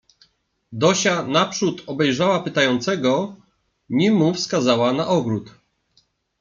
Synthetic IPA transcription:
d̪ɔɕanapʂut̪ɔbɛjʐawapɘt̪ajɔnt̪sɛɡɔ | ɲimufskazawanaʔɔɡɾut̪

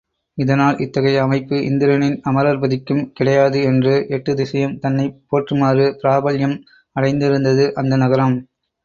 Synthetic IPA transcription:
ɪðɐnaːlʔɪt̪ːɐɣɐɪjɐɐmɐɪpːɯʔɪ̰nd̪ɪɾɐnɪnɐmɐɾaːɾbɐðɪkːɯmkɪɽɐjaːðɯɛndrɯʔɛʈːɯd̪ɪsɐjɐmt̪ɐnːɐɪpːoːʈrɯmaːrɯpɪɾaːbɐljɐm | ɐɽɐɪnd̪ɪɾɯnd̪ɐðɯʔɐnd̪ɐnɐɣɐɾɐm

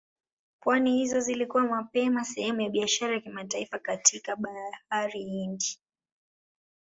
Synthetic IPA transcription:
pwanihizɔzilikuwamapɛmasɛhɛmujaɓiaʃaɾajakimataifakatʰikaɓahaɾiindi

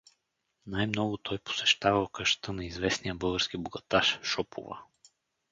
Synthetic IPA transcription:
najmnɔɡʊt̪ʰɔjpo̥sɛ̥ʃt̪avɐlˠkəʃt̪ɤnɐizvɛsnijəbɤlˠɡəɾsk̟iboɡɐt̪aʃʃɔpʰʊ̰və̰

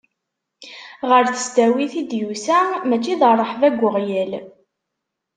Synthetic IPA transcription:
ʁəɾθə̥sd̪æwiθid̪jusæmæt͡ʃːiðərˤəħvæɡʷːəʁjæl

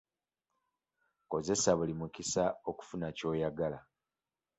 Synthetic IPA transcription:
ko̞ze̞saβulimukisao̞ku̥funaco̞ːjaɡala

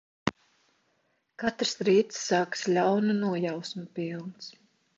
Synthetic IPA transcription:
kat̪ɾsɾiːt̪sːaːkslʲawnunuɔjawsmupilˠns

